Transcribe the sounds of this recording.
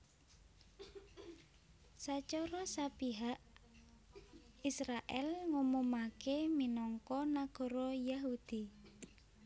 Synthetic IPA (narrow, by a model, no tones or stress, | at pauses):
sat͡ʃɔɾɔsapiɦaʔ | isɾaʔɛlŋumumakeminɔŋkɔnaɡ̥ɔ̤ɾɔjaɦud̪̥i